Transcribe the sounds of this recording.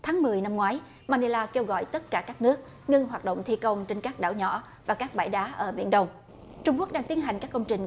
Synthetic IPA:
t̪ʰaː˨˦ŋmɨ˨˩əjna˧mŋwaː˨˦j | maː˧˩ɗe˧laː˧ke˧wɣɔ̰˧˨jt̪ə˦˥t̚kaː˧˩kaː˦˥k̚nɨ˦˥ək̚ | ŋɨ˧ŋɦwaː˨˩t̚ɗə̰˧˨wŋ͡mt̪ʰi˧kə˧wŋ͡mt͡ɕe˧nkaː˦˥k̚ɗa̰ː˧˩wɲɔ̰˧˥˨ | vaː˨˩kaː˦˥k̚ɓaː˧˩jɗaː˨˦ʔəː˧˩ɓḭ˧˩ənɗə˧wŋ͡m | t͡ɕʊ˧ŋ͡mku˦˥k̚ɗaː˧ŋt̪i˨˦ənɦa˨˩jŋ̟kaː˦˥k̚kə˧wŋ͡mt͡ɕï˨˩ŋ̟

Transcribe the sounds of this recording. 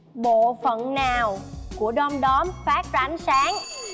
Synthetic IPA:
ɓo̰˧˨fə˧˨nnaː˨˩wku˧˩əɗɔ˧mɗɔ˨˦mfaː˦˥k̚za˧a˨˦nsaː˨˦ŋ

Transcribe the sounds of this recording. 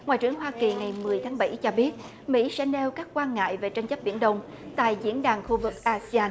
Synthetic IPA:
ŋwa̰ː˧˨jt͡ɕɨ˧˩əŋɦwaː˧ki˨˩ŋa˨˩jmɨ˨˩əjt̪ʰaː˨˦ŋɓa˧˩jt͡ɕɔ˧ɓi˦˥ət̚ | mḭ˧˥sɛ̰˧˥ne˧wkaː˦˥k̚kːwaː˧nŋa̰ː˧˨jve˨˩t͡ɕa˧jŋ̟t͡ɕə˦˥p̚ɓḭ˧˩ənɗə˧wŋ͡m | t̪a̰ː˧˨jzḭ˧˥ənɗaː˨˩ŋxu˧vɨ˨˩k̚ʔaː˧si˧aː˧n

